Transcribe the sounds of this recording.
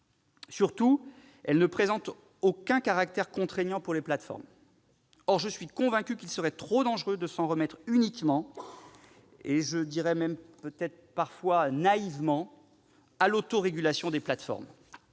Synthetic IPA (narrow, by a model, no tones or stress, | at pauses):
syʁt̪u | ɛlnəpχezɑ̃t̪ | okɛ̃kaʁak̚t̪ɛʁkɔ̃t̪χeɲɑ̃puʁleplat̪fɔ̰ʁm | ɔʁʒəsɥikɔ̃vɛ̃kʲykilsəʁɛt̪χod̪ɑ̃ʒʁød̪əsɑ̃ʁəmɛt̪χynikmɑ̃ | eʒəd̪iʁɛmɛmpøt̪ɛt̪χpaʁfwanaivmɑ̃ | alot̪oʁeɡʲylasjɔ̃d̪eplat̪fɔ̰ʁm